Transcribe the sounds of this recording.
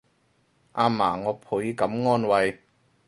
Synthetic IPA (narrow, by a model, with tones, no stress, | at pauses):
ʔaː˧maː˨˩ŋɔː˨˧pʰu˨˥jkɐ˨˥mŋɔː˥nwɐ˨˧j